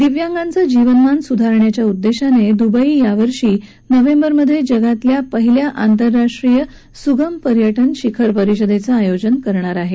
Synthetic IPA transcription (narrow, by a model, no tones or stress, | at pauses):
d̪iʋjãŋɡant͡sad͡ʑiʋənmansud̪ʱaɾɳjat͡ɕjaud̪ːeɕaned̪ubaijaʋəɾʂiː | nəʋembəɾməd̪ʱːjed͡ʑəɡat̪ljapəɦiljaʔant̪əɾːaʂʈɾijə | suɡəmpəɾjəʈənɕikʰəɾpəɾiɕəd̪ʱet͡saːjod͡ʑənkəɾɳ̃aɾaɦe